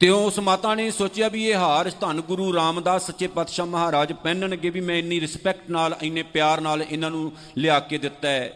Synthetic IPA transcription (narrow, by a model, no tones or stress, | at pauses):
t̪eõːʊsmaːt̪ãːneːsoːt͡ʃɪjaːbiːeːɦaːɾst̪ʰənɡʊɾuːɾaːmd̪aːsətːt͡ʃeːpət̪ʃaːməɦaːɾaːd͡ʒpɛ̃ːnənəɡeːbiːmɛ̃ːɪnːĩːɾɪspɛːkʈnaːləɪneːpjaːɾnaːlɪnãːnũː | lɪaːkeːd̪ɪt̪ːaːɛː